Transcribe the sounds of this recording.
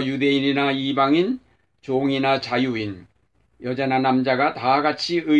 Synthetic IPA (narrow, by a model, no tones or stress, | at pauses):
jude̞ininaibaŋin | t͡ɕoŋinat͡ɕajuin | jʌd͡ʑananamd͡ʑaɡataɡat͡ɕʰiɯ